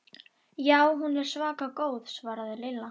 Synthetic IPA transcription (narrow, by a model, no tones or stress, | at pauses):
jaːwɦunvɛɾ̥svaːkakoːwðsvaːɾaðɪlɪlːa